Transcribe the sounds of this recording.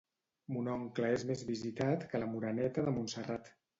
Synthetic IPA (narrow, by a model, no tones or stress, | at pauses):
munɔŋkləezmezβizit̪at̪kələmuɾənɛt̪əðəmunsərat̪